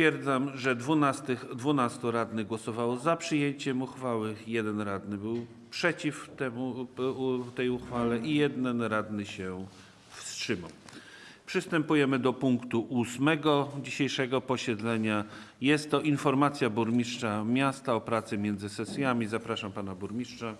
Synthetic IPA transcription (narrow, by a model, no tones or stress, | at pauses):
t̪fʲjɛɾd̪zamʐɛd̪vunast̪ɘd̪vunast̪uɾad̪nɘɡwɔsɔvawɔzapʂɘjeɲt͡ɕɛmuxfawɘjɛd̪ɛnɾad̪nɘbɘw | pʂɛt͡ɕift̪ɛmu | t̪ɛjuxfalɛʔijɛd̪nɛnɾad̪nɘɕɛ | fstʂɘmaw | pʂɘst̪ɛmpujɛmɘd̪ɔpuŋkt̪uʔusmɛɡɔd͡ʑiɕejʂɛɡɔpɔɕɛd̪lɛɲa | jɛst̪ːɔʔinfɔɾmat̪sʲjabuɾmʲiʂt͡ʂamʲjast̪aɔpɾat̪sɘmʲjɛnd̪zɘsɛsʲjamʲizapɾaʂampanabuɾmʲiʂt͡ʂa